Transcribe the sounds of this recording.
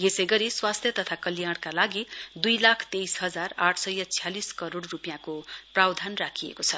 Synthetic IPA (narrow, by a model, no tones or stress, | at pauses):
jesʌjɡʌɾiswast̪ʰjʌt̪ʌt̪ʰakʌlijaɽ̃kalaɡid̪ujlakʰt̪ejsɦʌd͡zaraʈʰsʌjʌt͡sʰijaliskʌɾoɽrupjãkoprawd̪ʱanrakʰijḛkot͡sʰʌ